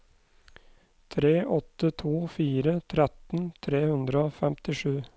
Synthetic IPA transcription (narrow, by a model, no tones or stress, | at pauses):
t̪ʰɾeːʔɔt̪ːət̪ʰuːfiːɾət̪ʰɾɛt̪n̩t̪ʰɾeːhʉnd̪ɾəoːfɛmt̪ɪʂʉː